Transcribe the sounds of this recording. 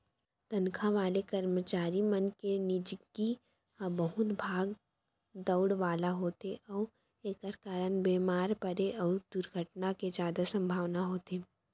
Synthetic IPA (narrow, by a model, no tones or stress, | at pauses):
t̪ɐnkʰãʋaːlekɐɾmət͡ʃaːɾimənkenɪd͡ʒɡi | bɐɦʊt̪bʱaːɡ | d̪əʊɽʋaːlaɦoːt̪eʔɔː | eːkəɾkaːɾənbeːmaːɾpɐɾeʔɔːɾd̪̥ʊɾɡʱəʈnaked͡ʒjaːd̪asɐ̃mbʱaːʋnaɦoːt̪eː